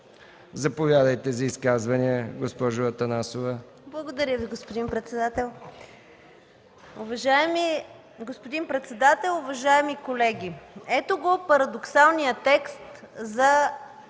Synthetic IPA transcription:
zɐpovʲjad̪əjt̪ɛzɐiskazvɐniəɡospɔʒʊɐt̪ɐnasovə | blˠɐɡod̪ɐɾʲjəviɡospod̪inpɾɛt̪sɛd̪at̪ɛlˠ | ʊvɐʒaɛmi | ɡospod̪inpɾɛt̪sɛd̪at̪ɛlˠʊvɐʒaɛmikolɛɡ̟ʲiɛt̪oɡopɐɾɐd̪oksalˠnijət̪ɛkst̪zɐ

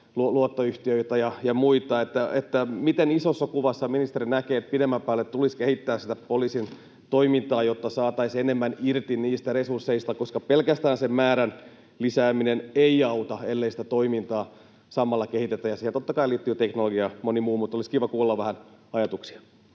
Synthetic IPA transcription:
luluot̪ːoyht̪iøit̪æjɑjɑmuit̪ɑet̪ːæet̪ːæmit̪enisosːɑkuʋɑsːɑminist̪eɾinækeːet̪̚pidemːæmpæːlːet̪t̪uliskehit̪ːæːssit̪æpolisin | t̪oimint̪ɑːjot̪ːɑsɑːt̪ɑisenemːænirt̪inniːst̪æresursːeist̪ɑkoskɑpelkæst̪æːnsemmæːɾæn | lisæːmineneiɑut̪ɑelːeisi̥t̪æt̪oimint̪ɑː | sɑmːɑlːɑkehit̪et̪ːæjɑsihent̪ot̪ːɑkɑiliːt̪ːyːt̪eknoloɡiɑmonimuːmut̪ːoliskiʋɑkuːlːɑʋʋæhænɑjɑt̪uksi̥ɑ̥

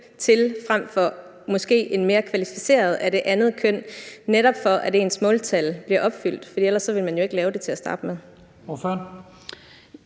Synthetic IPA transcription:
t͡sʰe̝lfʁam̰fɒ̽ | mɒ̽sɡ̥e̝̰ːe̝nme̝ːɐkʰʋælifise̝̰ːɐð̞̩ˠæd̥e̝ʔænð̞̩ˠkʰøn̰neɾɒ̽b̥fɒ̽ʔæɾ̥e̝ːnsmɔ̽ːlt͡sʰælb̥liɐʔɒ̽b̥fyl̰d̥fɒd̥ḭːelɐsːɒ̽ʋe̝lmænjo̝e̝ɡ̥lɛːʊd̥e̝t͡sʰe̝læsd̥ɑ̈ːd̥əmeðˠ | ɒfø

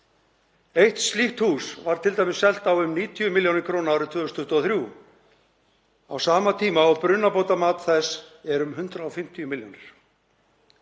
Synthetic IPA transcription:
ejht̪st̪liht̪huːsvaɾ̥t̪ʰɪlt̪ajmɪsːɛl̥t̪awʏmniːt̪ʰiʏmɪljownɪɾkʰɾoːnawɾʏt̪ʰv̥ʏːʏst̪ʏht̪ɔθɾjuː | awsaːmat̪ʰiːmaawpɾʏnːapoːwt̪amaːt̪θɛsɛɾʏmɦʏnt̪ɾaɔfɪm̥t̪ʰiʏmɪljo̰wnɪɾ̥

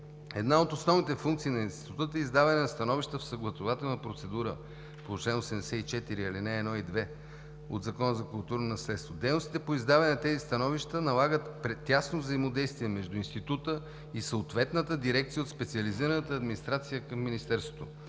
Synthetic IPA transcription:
ɛd̪naot̪osnɔvnit̪ɛfuŋkt̪siːnɐinst̪itit̪ut̪ut̪əizd̪avɐnɛnɐst̪ɐnɔviʃt̪əfsəɡlˠɐt̪ovat̪ɛlˠnəpɾot̪sɛd̪uɾə | polˠot͡ʃɛnosɛd̪ɛsɛit͡ʃɛt̪iɾiɐlinɛːd̪nɔid̪vɛ | o̰d̪zɐkɔnəzɐkʊlˠt̪uɾnonɐslɛt̪st̪vod̪ɛjnost̪it̪ɛpoizd̪avɛnɛnɐt̪ɛzist̪ɐnɔviʃt̪ənɐlˠaɡət̪pɾɛt̪ʲːasnovzəimod̪ɛjst̪viɛmɛʒd̪uinst̪it̪ut̪ə | isəot̪vɛt̪nət̪əd̪iɾɛk̚t̪sijəot̪spɛt̪siəliziɾənət̪əːd̪minist̪ɾat̪sijəkəmːinist̪ɛɾst̪vot̪o

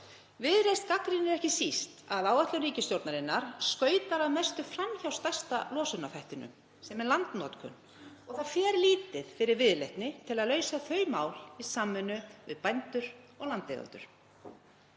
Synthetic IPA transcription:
vɪðɾejst̪̚kakɾɪnɪɾɛhcɪsist̪aðaːwvaht̪lʏɾiːcɪst̪jowɾt̪naɾɪnːaɾ̥skœːɥt̪aɾaðmɛst̪ʏfɾamçawst̪aj̥st̪alɔːsʏnafajht̪ɪnʏ̰m | sɛmɛɾlant̪nɔt̪kʰʏ̰n | ɔɣθaðfjɛːɾliːt̪ɪð̥fɪɾɪɾvɪðlejht̪nɪt̪ʰɪlaðlœːɥsaθœːɥmaːwlisaːmːʏnːʏvɪðpajnt̪ʏɾɔɣlant̪ḛɣa̰nt̪ʏ̰ɾ̥

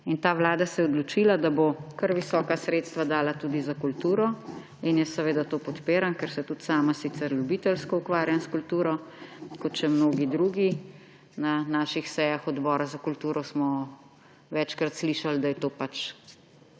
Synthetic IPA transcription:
int̪aːʋlaːd̪asɛjɛɔd̪lɔt͡ʃiːlad̪abokɐɾʋisɔːkasɾeːt̪st̪ʋad̪aːlat̪ud̪izakult̪uːɾɔ | injɛsɛʋeːd̪at̪oːpɔt̪peːɾankɛɾsɛt̪ut̪saːmasit̪sɛɾljubiːt̪ɛlskɔukʋaːɾjanskult̪uːɾɔkɔt̪t͡ʃɛmnoːɡid̪ɾuːɡi | nanaːʃixsɛjaxɔd̪bɔːɾazakult̪uːɾɔsmɔ | ʋɛt͡ʃkɾat̪sliːʃald̪ajɛt̪oːpat͡ʃ

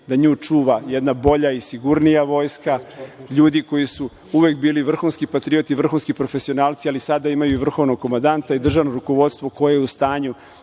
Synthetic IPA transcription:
d̪aɲuːt͡ʂuːʋajɛd̪nabo̞ʎaisiɡuɾnijaʋo̞jskaʎuːd̪iko̞jisu | uʋek̚biːliʋr̩xuːnskipat̪ɾio̞t̪iʋr̩xuːnskipɾo̞fe̞sio̞naːlt̪sialisad̪aimajuiʋr̩xo̞ʋno̞ɡ̚ko̞mand̪ant̪aid̪r̩ʒanoɾuko̞ʋo̞t̪st̪ʋo̞ko̞jejeust̪aːɲu

